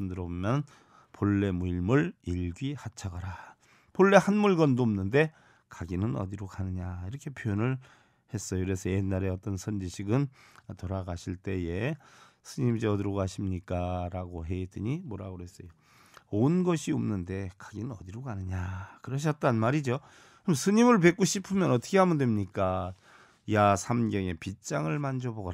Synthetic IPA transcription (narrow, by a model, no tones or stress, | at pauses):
ɯndɯɾʌbomjʌn | poɭːe̞muiɭmuɭiɡihat͡ɕʰaɡʌɾa | poɭːe̞hanmuɭɡʌndoʌmnɯnde̞ | kaɡinɯnʌ̰diɾokʰanɯɲaiɾʌkʰe̞pʰjojʌnɯɭ | he̞s͈ʌjokɯɾe̞sʰʌjenːaɾe̞ʌt͈ʌnsʰʌnd͡ʑiɕʰiɡɯntoɾaɡaɕʰiɭt͈e̞je̞ | sʰɯɲimid͡ʑʌdɯɾʌɡoɦaɕʰimɲik͈aɾaɡoɦe̞it͈ɯɲimoɾaɡoɾoɦe̞s͈ʌjo | onɡʌɕʰiʌmnɯnde̞kaɡinɯnʌ̰d̪iɾokanɯɲakɯɾʌɕ̬ʰʌt̚t͈anmaɾid͡ʑo | msʰɯɲimɯɭpe̞k͈oɕʰipʰɯmjʌnʌtʰʌ̥kʰe̞hamɯndwe̞mɲik͈a | jasʰamɡjʌŋe̞pit͡ɕ͈aŋɯɭmand͡ʑoboɡʌ